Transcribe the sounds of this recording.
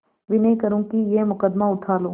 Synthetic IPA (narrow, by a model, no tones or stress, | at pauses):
ʋɪnejkəɾũːkijemʊkəd̪maʊt̪ʰaːlõː